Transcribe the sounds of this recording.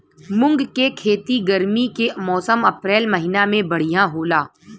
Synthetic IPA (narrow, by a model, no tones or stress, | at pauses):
mʊ̃ŋɡkekʰeːt̪iɡəɾmikemɔːsəmɐpɾɛːlmɐɦɪnamẽbɐɽ̤ijãɦoːlaː